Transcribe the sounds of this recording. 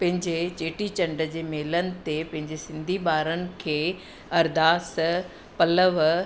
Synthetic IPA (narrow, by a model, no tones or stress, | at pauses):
pɐ̃ɦɪ̃ɲd͡ʑet͡ɕeːʈit͡ɕɐ̃ɳɖəd͡ʑeːmeːlənɪ̆t̪epɐ̃ɦɪ̃ɲd͡ʑesɪ̃nd̪ʱibaːɾənɪ̆kʰeː | ɐɾd̪aːs | pɐləʋ